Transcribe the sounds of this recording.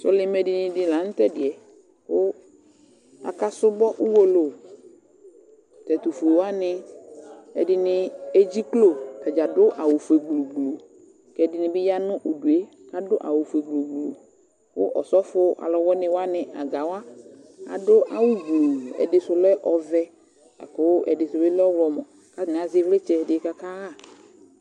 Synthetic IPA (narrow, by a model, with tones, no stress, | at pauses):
sʊ˦lɪ˦mɛ˨dɪ˨nɪ̃˨dɪ˨la˨˦n̩˦t̪ɛ˦dɪ˨ɛ˨ | kʊ˦ | a̰˨ka˦sʊ˦bɔ˦ʔu˦wo˦lo˨ | t̪ɛ˨t̪u˨fʊ˨wa˦nɪ̃˦ | ɛ̰˨dɪ˨nɪ˨e˦d͡ʑi˦klo˨kɛ˨d͡ʒa˨dʊ˦ʔa˨wʊ˨fe˨ɡ͡blu˨ɡ͡blo˨ | kɛ˨dɪ˨nɪ̃˨bɪ˦ja˦nʊ̃˦ʔu˨du˨e˦ | ka˦dʊ˦ʔa̰˨wo˨fe˨ɡ͡blo˨ɡ͡blo̰˨ | wʊ˦ʔɔ̰˨sɔ˦fʊ˦a̰˨lɔ˨wɔ˦nɪ̃˨wa˦nɪ˨ʔa˨ɡa˨wa˦ | a̰˨dʊ˦ʔa˨wu˦ɡ͡blo˨ɛ̰˨dɪ˨sʊ˨lɛ˦ʔɔ˨vɛ˦ | a̰˨kɔ˨˦wʔɛ̰˨dɪ˨sʊ˨be˦lɔ˦wɔ˨mɔ̃˨ | ka˦˨nɪ̃˨a˨zɪ˦vle˦t͡ʃɛ˦dɪ˨˦ka˦ka˦ɣa˦˨